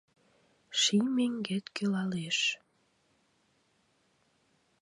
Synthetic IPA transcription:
ʃimeŋɡet̪kølɑleʃ

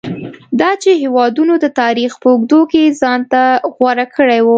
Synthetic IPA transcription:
d̪ɑt͡ʃeɦewɑd̪unod̪ət̪ɑɾixpəʊɡd̪okezɑnt̪aɣwaɾakʰəɽajwu

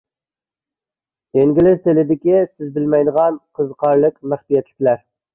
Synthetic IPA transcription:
eŋɡʲilɪɾt̪ʰɪlɪd̪ɪkʲisɪzbɪlmɛjd̪əʁɑnqʰəzqʰɑɾlˠəkmæχbijɛt̪lɪkʲlæɾ

